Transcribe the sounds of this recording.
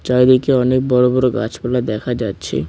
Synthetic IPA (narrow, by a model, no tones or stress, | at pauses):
t͡ʃaed̪ikeɔnek̚bɔɾobɔɾoɡa̰t͡ɕbɛlad̪ɛkʰad͡ʑatːɕʰḛ